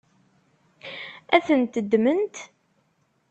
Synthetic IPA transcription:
æθənt̪əd̪ːmənt̪

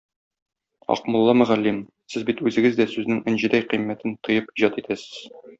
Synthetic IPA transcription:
ɒ̰qmŏlˠːɑmɵ̆ʁælːim | sɘzbit̪ʉzɘ̆ɡɘzd̪æsʉznɘŋɘ̆nʑɘ̆d̪æjqimːæt̪ɘnt̪ɤ̆jɤpiʑɑt̪it̪æsɘ̥z̥

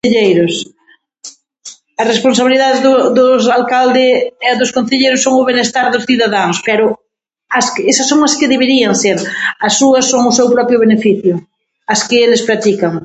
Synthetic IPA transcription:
eʎejɾʊs | ɐsresponsaβiliðaðezðʊðʊsalkald̪ɪɛðʊskõn̟θeʎejɾʊsːoŋʊβenest̪aɾðʊsθiðaðaŋspɛɾʊ | ɐskesɐsːoŋɐskɪðeβeɾiɐŋseɾɐsːuɐsːoŋʊsewpɾɔpɾjʊβenefiθjʊ | ɐskɪelɪspɾat̪ikɐŋ

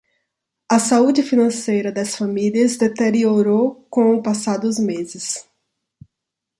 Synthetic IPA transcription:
ɐsaud͡ʒɪfinɐ̃sejɾɐd̪ɐsfamiliɐzd̪et̪eɾioɾowkõʊpasad̪ʊzmezɪs

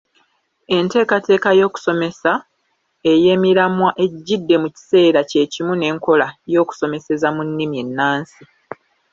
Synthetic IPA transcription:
e̞nte̞ːkate̞ːkajo̞ːku̥so̞me̞sa | e̞je̞miɾamwaʔe̞ɟːidːe̞muci̥se̞ːɾace̞ːcimune̞ːŋko̞lajo̞ːku̥so̞me̞se̞zamunːimje̞nːaːnsi

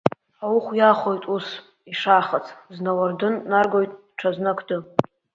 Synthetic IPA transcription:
awʊχʷjaχojtʼus | iʂaːχat͡sʰʼznawardɨnːarɡo̞jtʼ | ʈ͡ʂʰaznakʰdɨ

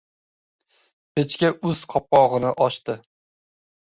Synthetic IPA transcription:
pʰet͡ʃkʲaʊzqʰɒp̚qɒʁɨnɪʔɒʃt̪ɪ

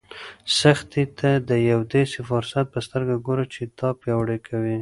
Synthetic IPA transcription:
saxt̪it̪ʰad̪əjawd̪esefʊɾsat̪̚pəst̪əɾɡaɡoɾat͡ʃet̪ɑpjɑwɽekʰawi

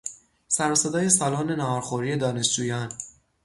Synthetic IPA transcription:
sæɾɒːsed̪ɒːje̞sɒːlɒːne̞nɒɒːɾxoɾiːe̞d̪ɒːne̞sd͡ʒuːjɒːn

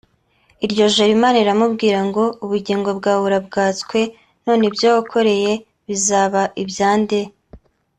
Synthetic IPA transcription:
iɾɟo̞ʒoɾimaːnaiɾamubɡiːɾaŋɡo̞uβuɟiːŋɡo̞bɡaːβuɾabɡaːt͡skwe̞ | no̞ːnebjoːhokʰo̞ɾe̞je̞ | βizaːβaʔibjaːnde

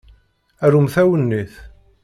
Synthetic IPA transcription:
æɾumθæwənːiθ

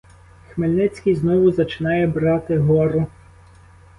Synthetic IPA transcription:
xmelʲnɪt͡sʲkijznɔʋʊzɐt͡ʃɪnɑjɛbɾɑt̪ɪɦɔɾʊ

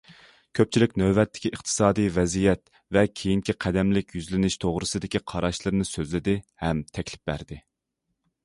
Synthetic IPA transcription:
kʲʰøp̚t͡ʃʰilɪkʲnøwbɛt̪ːɪ̥kʲʰiʔəχt̪ʰɨ̥sɑːd̪ijvɛzijɛt̪ | vɛkʲʰejiŋkʲʰiqʰæd̪ɛmlɪkʲjyzlɪnɪʃt̪ʰoʁɾɨsɨd̪ɪkʲiqʰɑɾɑʃlˠɨɾɨnɨsøzlɪd̪ɪhɛmt̪ʰɛkʲlɪ̥p̚bæ̰ɾd̪ɪ

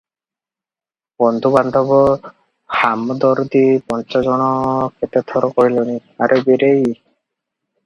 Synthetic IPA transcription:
bɔnd̪ʱuband̪ʱɔbɔ | hamd̪ɔɾd̪ipɔnt͡ʃazɔnɔkɛt̪ɛt̪ʰɔɾɔkɔɦilɔniaɾubiɾej

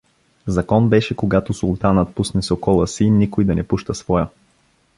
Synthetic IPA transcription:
zɐkɔnbɛʃɛkoɡat̪osulˠt̪anət̪̚pusnɛsokɔlˠəsinikojd̪ɐnɛpuʃt̪əsvɔjə

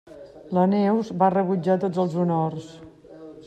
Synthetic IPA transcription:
lənɛwzbarəβud͡ʒat̪od͡zəlˠzunors

